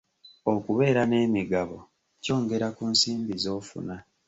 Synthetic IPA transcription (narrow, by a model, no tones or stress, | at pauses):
o̞kuβe̞ːɾane̞ːmiɡaβo̞ | co̞ːŋɡe̞ɾakuːnsiːmbizo̞ːfṵna